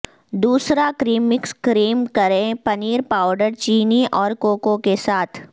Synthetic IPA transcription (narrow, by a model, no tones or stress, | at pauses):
d̪uːsɾakɾiːmːɪkskɾiːmkɐɾẽpɐniːɾpaːʊɖəɾt͡ʃiːniʔɔːɾkoːkõkesaːt̪ʰ